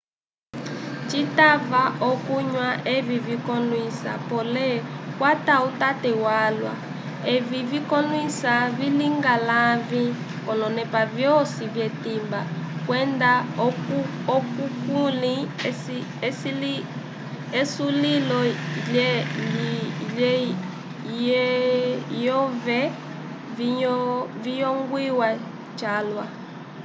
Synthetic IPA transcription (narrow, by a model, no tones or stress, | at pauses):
t͡ʃitavaʔɔkuɲwaʔɛvivikɔnwisa̰pɔlɛkwatautatɛwalwa̰ | ɛvivikɔnwisaviliŋɡalavi | kɔnɔnɛpavjɔsivjɛtimbakwɛndaɔku | ɔkukulisiɛsili | ɛsulilɔl | lɛ | j | jɔvɛ | vi | vijɔŋɡwiwa | t͡ʃalwa